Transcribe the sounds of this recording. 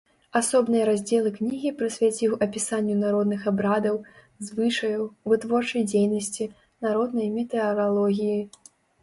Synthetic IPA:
asɔbnɨjɐɾazʲd͡zʲɛlˠɨknʲiɣʲipɾɨsʲvʲat͡sʲiwɐpʲisanʲːunaɾɔd̪nɨxabɾad̪ɐw | zvɨʂɐjɐwvɨt̪vɔrt͡ʂɐjd͡zʲejnɐsʲt͡sʲi | naɾɔd̪nɐjmʲɛt̪ɛɐɾalˠɔɣʲiji

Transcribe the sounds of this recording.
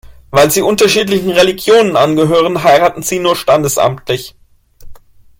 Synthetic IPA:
vaɪlziːʔʊntɐʃiːtlɪçn̩ʁeliɡjoːnənʔanɡəɦøːʁ̞ənɦaɪʁaːtn̩ziːnuːɐʃtandəsʔa̰mtlɪç

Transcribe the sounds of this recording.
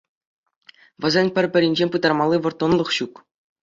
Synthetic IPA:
ʋɤ̆zʲenʲpʲɘ̆rʲpʲɘ̆ɾʲinʲd͡ʑenʲpɯd̪ɑrmɑlˠːiʋɤ̆rt̪ŏnlˠɤ̆χɕuk

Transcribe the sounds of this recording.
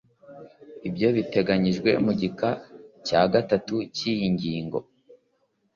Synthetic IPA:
ibjo̞βite̞ɡaɲiʒɡwe̞̰muɟikacaːɡatatucijiɲɟiːŋɡo̞̰

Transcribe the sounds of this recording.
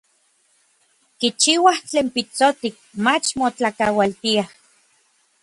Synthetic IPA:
kit͡ʃiːwaht͡ɬeːmpit͡sot̪ik̚mat͡ʃmot͡ɬakawalt̪iah

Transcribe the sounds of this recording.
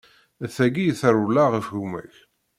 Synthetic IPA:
θæɡijθəɾulːaʁəfʝumæ̰ç

